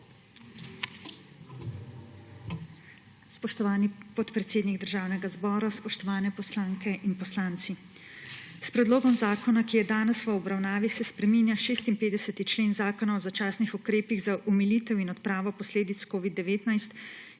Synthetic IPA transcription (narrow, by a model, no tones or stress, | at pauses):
spɔʃt̪ɔʋaːnipɔt̪pɾɛt̪seːd̪niɡd̪əɾʒaːwnɛɡazbɔːɾaspɔʃt̪ɔʋaːnɛpɔslaːŋkɛʔinpɔslaːnt̪si | spɾɛd̪loːɡɔmzaːkɔnakijɛd̪aːnɛsʋəɔbɾawnaːʋixsɛspɾɛminjaʃeːst̪inpeːd̪ɛsɛt̪it͡ʃleːnzaːkɔnaɔzat͡ʃaːsnixukɾeːpiɣzaʔumilit̪ɛwinɔt̪pɾaːʋɔpɔsleːd̪it̪skoːʋid̪ːɛʋeːt̪najst̪